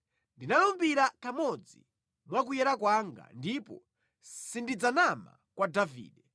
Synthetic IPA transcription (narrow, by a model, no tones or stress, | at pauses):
ndinalumbiɾakamɔd͡zi | mwak̬ujɛɾakwaŋɡa̰ndipɔ̰ | sindid͡zanama̰kwadavḭːɗɛ